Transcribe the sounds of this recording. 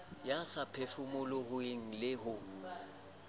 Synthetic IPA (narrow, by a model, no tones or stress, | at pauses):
jasapʰefʊmʊlʊhʊɪŋ̩lɪɦʊ